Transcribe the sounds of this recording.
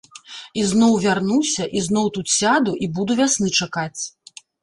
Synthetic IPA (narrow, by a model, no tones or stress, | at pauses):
iznɔwvʲarnusʲɐʔiznɔwt̪ut̪sʲad̪uʔibud̪uvʲasnɨt͡ʂakat͡sʲ